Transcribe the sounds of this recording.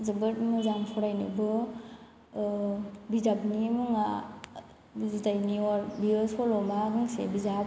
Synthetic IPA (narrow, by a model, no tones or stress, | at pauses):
zɯbɯt̚mɯzaŋpʰɔɾajnḭbɯ | bizapnimɯŋa | zudajniɔɾbiɯsʰɔlɔmaɡɯŋsḛbizap